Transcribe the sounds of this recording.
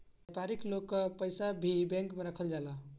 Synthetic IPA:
epaɾiklokːəpəjsabʱibɛ̃ŋkmeɾəkʰəld͡ʒala

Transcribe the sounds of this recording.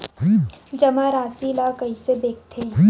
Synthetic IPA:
d͡ʒɐmãɾaːsilakɐisebeːk̚t̪ʰe

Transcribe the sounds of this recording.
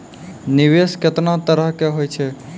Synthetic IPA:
niʋesket̪nat̪əɾəɦkeɦojt͡ʃʰɛ

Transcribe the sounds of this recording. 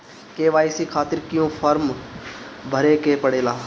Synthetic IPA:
keːʋaːisikʰaːt̪ɪɾkɪjõːfʰəɾm | bʱəɾeːkeːpəɽeːlaː

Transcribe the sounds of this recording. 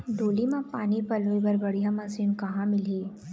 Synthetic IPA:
ɖ̪ʱoːlimãpaːnipɐloːibɐɾbɐɽ̤ijamɐsiːnkɐɦãmɪliː

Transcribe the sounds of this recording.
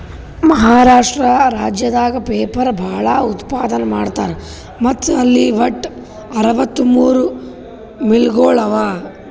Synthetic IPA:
mɐɦaːɾaːʂʈɾɐɾaːd͡ʒjɐd̪aːɡɐpeːpɐɾbʱaːɭɐut̪paːd̪ɐnɐmaːɽt̪aːɾe | mɐt̪ːɐlːiʋɐʈː | ɐɾɐʋɐt̪ːumuːɾu | milɡoːɭɐʋaː

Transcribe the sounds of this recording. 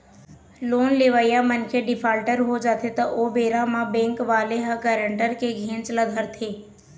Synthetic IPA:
loːnleːʋəːjamənkʰeɖɪpʰaːlʈəɾɦod͡ʒaːt̪ʰet̪ɐʔobeːɾãmãbẽːŋkʋaːleɦəkəːɾəɳʈəɾkeɡʱẽːnt͡ʃləd̪ʱəɾt̪ʰeː

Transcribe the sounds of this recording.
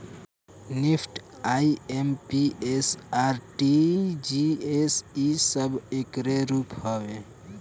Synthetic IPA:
nipʰʈ | aiempiesaɾʈid͡ʒiesisəbekɾeɾuphɔʋe

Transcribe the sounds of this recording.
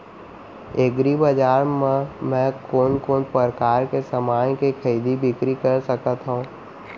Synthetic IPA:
eːɡɾibəd͡ʒaːɾmɛ̃mɛ̃ːkoːnkoːnpəɾkaːɾkesəmaːjkekʰəiːd̪ibɪkɾikəɾsəkət̪ɦõː

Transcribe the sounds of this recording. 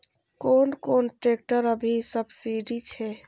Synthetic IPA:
konkonʈɾek̚ʈəɾəbʱisəbsiɖit͡ʃʰɛ

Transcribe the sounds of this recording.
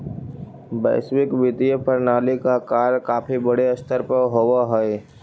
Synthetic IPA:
bɛ̰ːswɪkʋɪt̪ijəpʰəɾnaːlikakaːɾkaːpʰibɐɽeɐst̪ʰəɾpəɾɦowaɦɛe

